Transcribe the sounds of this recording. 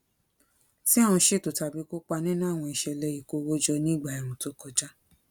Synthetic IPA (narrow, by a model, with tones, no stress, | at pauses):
ti˦a˦˨w̃ũ˧ʃe˦˨to˨ta˨bi˨˦ko˦k͡pa˧nĩ˦nã˦˨w̃ɔ̃˧i˧ʃɛ˧lɛ˧i˨ko˧wo˦d͡ʒɔ˧nĩ˦˨ɡ͡ba˨ɛ˨ɾ̃ũ˨to˦kɔ˧d͡ʒa˦